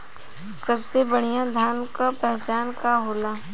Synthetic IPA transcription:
sɐbsebɐɽ̤ijãd̪ʱjaːnkapɛɦt͡ʃaːnkaɦoːlaː

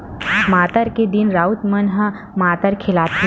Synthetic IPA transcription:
maːt̪əɾked̪ɪnɾaːʊt̪mənɦə | maːt̪əɾkʰɪlaːt̪

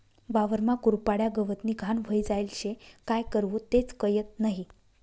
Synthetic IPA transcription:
ʋaʋəɾmakuɾpaɽjaɡəʋət̪niːɡʱanʋ̤ʱəjd͡zajlɕekajkəɾʋot̪et͡skəjət̪̚naɦi

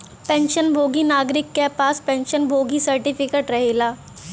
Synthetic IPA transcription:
pɛ̃ːnʃənbʱoːɡinaːɡɾɪkːepaːspɛ̃nʃənbʱoːɡisɐɾʈɪpɪkeʈɾɐɦeːlaː

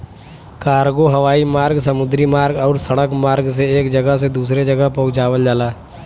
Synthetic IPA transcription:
kaːɾɡoɦɐʋaːimaːɾɡsɐmʊd̪ɾimaːɾɡɔːɾsɐɽəkmaːɾɡseeːkd͡ʒɐɡəɦs̬ed̪uːs̬ɾed͡ʒɐɡəɦpɐɦʊt͡ʃaːʋəld͡ʒaːlaː

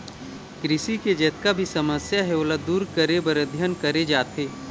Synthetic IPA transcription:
kɾɪsiked͡ʒɛːt̪kabʱisɐməsjaɦɛoːlad̪uːɾkəɾebɐɾəd̪ʱjənkəɾed͡ʒaːt̪ɦeː

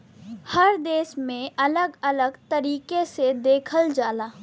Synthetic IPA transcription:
hɐɾd̪eːsmẽʔɐləɡɐləɡt̪ɐɾiːkesed̪eːkʰəld͡ʒaːlaː

